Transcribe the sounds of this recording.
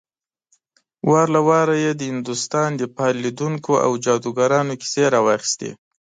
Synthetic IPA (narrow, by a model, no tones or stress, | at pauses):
wɑɾlawɑɾajed̪əhɪnd̪ʊst̪ɑnd̪əpɑlid̪uŋkoʔa̰wd͡ʒɑd̪uɡaɾɑnoki̥seɾɑwɑxi̥st̪ḛ